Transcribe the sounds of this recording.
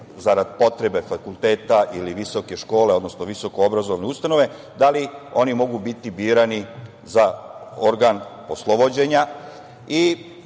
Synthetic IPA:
zaɾad̪po̞t̪ɾe̞be̞fakulˠt̪e̞ːt̪aʔiliʋiso̞ke̞ʃko̞ːleo̞d̪no̞snoʋiso̞koobɾazoʋneust̪ano̞ʋe̞ | d̪alio̞nimo̞ɡubit̪ibiːɾani | zaoɾɡan | oslˠo̞bod͡ʑe̞ɲa | i

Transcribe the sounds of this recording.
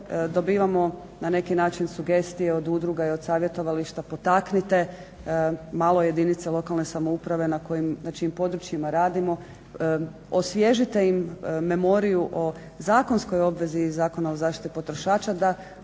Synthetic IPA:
d̪o̞biːʋamo̞ | nane̞kinaːt͡ʃinsuɡe̞st̪ije̞o̞d̪ud̪ɾuɡaiod̪saːʋje̞t̪o̞ʋaliʃt̪apo̞t̪aknit̪e̞ | maːlˠo̞je̞d̪init̪selo̞kalˠne̞samo̞upɾaʋe̞nako̞jimnat͡ʃiimpo̞d̪ɾut͡ʃjimaɾaːd̪imo̞ | osʋje̞ʒit̪e̞imːe̞mo̞ɾijuʔo̞ | zaːko̞nsko̞jo̞bʋe̞zizaːko̞naozaːʃt̪i̥t̪ipo̞t̪ɾo̞ʃaːt͡ʃad̪a

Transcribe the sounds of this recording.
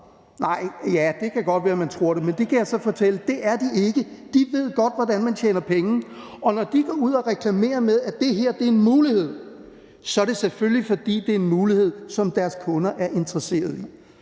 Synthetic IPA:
nɑ̈ɪ̰jæd̥e̝kʰæɡ̥ɒ̽d̥ʋæːɐmænt͡sʰʁo̝ɐ̰ɾe̝mend̥e̝kʰæjɑ̈ɪsɒ̽fɒ̽t͡sʰel̰əd̥e̝ʔæɐd̥ie̝ɡ̥əd̥iʋe̝ð̞̰ˠɡ̥ɒ̽d̥ʋɒd̥ænmænt͡ɕʰḛːnɐpʰeŋn̩ | ɒ̽nɒd̥iɡ̥ɒːuð̰ˠɒʁɛkʰlæme̝̰ːɐmeðˠæd̥e̝ɦeɐ̰d̥e̝ɐe̝nmuːlihe̝ð̞̰ˠ | sɒ̽æɾ̥e̝seføllifɒ̽d̥ḭːd̥e̝ɐe̝nmuːlihe̝ð̞̰ˠsɒ̽md̥æɐskʰɔ̽nɐʔæɐʔe̝nd̥ʁɐse̝̰ːɐð̞ˠi

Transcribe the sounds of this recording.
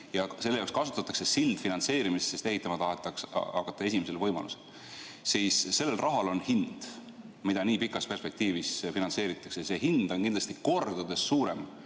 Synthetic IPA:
jɑse̞lːeɑowkskɑsu̥t̪ːˑɑt̪ːˑɑ̥kse̞sild̪̥finɑnt̪se̞ːɾimisese̞st̪e̞ɦit̪ːˑɑmɑt̪ɑɦet̪ːˑɑksɑkːˑɑt̪ːˑɑe̞sʲimese̞lvɤjmɑ̰lṵsel | siːsːe̞lːe̞lrʔɑɦɑlo̞nhind̪̥ | mid̪̥ɑniːpikːˑɑspe̞rspe̞k̚t̪iːvisfinɑnse̞ːɾit̪ːˑɑksejɑse̞ɦind̪̥o̞nkind̪lɑst̪iko̞rd̪̥ud̪e̞sːuːɾe̞m

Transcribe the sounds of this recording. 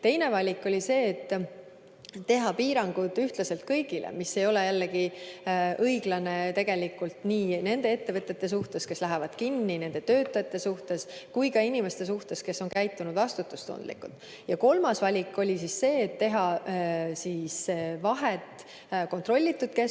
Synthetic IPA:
t̪e̞jne̞vɑlʲikːˑo̞lʲise̞ːt̪ːˑ | e̞ɦɑpiːɾɑŋɡ̥ud̪yht̪lɑse̞lt̪̚kɤjɡ̥ilʔḛmisːe̞jo̞le̞jælːeɡ̥i | ɤjɡ̥lɑne̞t̪e̞ɡ̥elikːˑult̪niːne̞nd̪e̞e̞t̪ːe̞vɤt̪ːˑe̞t̪ːe̞suht̪e̞ske̞slæɦevɑd̪̥kinːine̞nd̪̥e̞t̪ø̞ːt̪ːˑɑjɑt̪ːˑe̞suht̪e̞skujkɑinʲime̞st̪e̞s̬uht̪e̞ske̞sːo̞nkæjt̪ːˑunud̪vɑst̪ut̪ːˑust̪o̰nd̪lḭkːṵlt̪ːˑ | jɑko̞lmɑsvɑlʲikːˑo̞lʲisisse̞ːt̪ːe̞ɦɑ | siːsvɑɦet̪ˑ | ko̞nt̪ro̞lʲːit̪ːud̪̥̚ke̞

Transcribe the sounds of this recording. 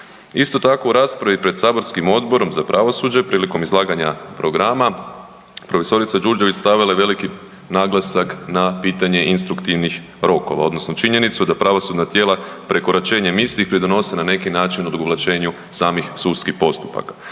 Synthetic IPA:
ist̪o̞t̪ako̞uɾaːspɾaʋipɾe̞d̪saːbo̞ɾskimo̞d̪bo̞ɾo̞mzapɾʔaʋo̞sud͡ʑepɾiːliko̞mizlˠaːɡaɲapɾo̞ɡɾama | pɾo̞fe̞so̞ɾit̪sad͡ʒuɾd͡ʒeʋit͡ʃst̪aʋilaeʋe̞liki | naːɡlˠasaknapiːt̪aɲe̞ʔinst̪ɾukt̪iʋnix | ɾo̞ko̞̰ʋa̰o̞d̪nosnot͡ʃiɲe̞nit̪sud̪apɾaʋo̞sud̪nat̪jeːlapɾe̞ko̞ɾat͡ʃe̞ːɲemislixpɾid̪ono̞senane̞kinaːt͡ʃinod̪oɡoʋlˠat͡ʃe̞ːɲu | saːmixsud̪skixpo̞st̪u̥pa̰ka

